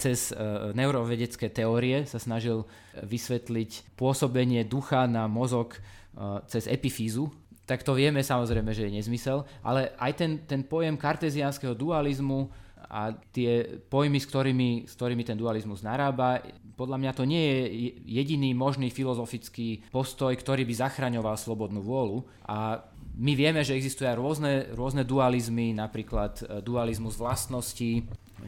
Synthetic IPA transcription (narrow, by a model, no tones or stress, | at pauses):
t͡sɛznɛʊuɾɔʋɛɟɛt͡skɛːt̪ɛɔːɾiɛsasnaʒil | ʋisʋɛt̪licpʊɔsɔbɛɲɪɛd̪uxanamɔzɔk | t͡sɛzɛ̰pifiːzu | t̪akt̪ɔʋɪɛmɛsamɔzɾɛjmɛʒɛjɛɲɛzmisɛlʔa̰lɛʔajt̪ɛnt̪ɛnpɔjɛmkaɾt̪ɛzianskɛɦɔd̪ualizmua̰t̪ɪɛpɔjmiskt̪ɔɾiːmiskt̪ɔɾiːmit̪ɛnd̪ualizmuznaɾaːbapɔd̪ʎamɲat̪ɔɲɪɛjɛjɛɟiniːmɔʒniːfilɔzɔfit͡skiːpɔst̪ɔjkt̪ɔɾiːbizaxɾaɲɔʋalslɔbɔd̪nuːʋʊɔlu | ʔa | miʋɪɛmɛʒɛɛɡzist̪ujɛajɾʊɔznɛɾʊɔznɛd̪ualizminapɾiːklat̪d̪ualizmuzʋlast̪nɔsci